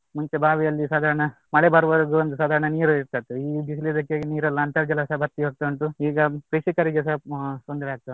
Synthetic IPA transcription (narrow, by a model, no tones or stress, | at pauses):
muɲt͡ʃebʱaːʋijɐlːisaːd̪ʱaːɾɐɳɐ | mɐɭebɐɾuʋɐɾɐɡuond̪usaːd̪ʱaːɾɐɳɐniːɾuiɾt̪at̪ːuiːd̪islid̪ɐkːeniːɾɐlːɐnt̪ɐɾd͡ʒɐlɐsɐɦɐbʱɐɾt̪ːiɦoːɡ̚t̪ːɳʈuiːɡɐpɾiʂikɐɾiɡesɐɦsond̪ɐɾeaːɡ̚t̪a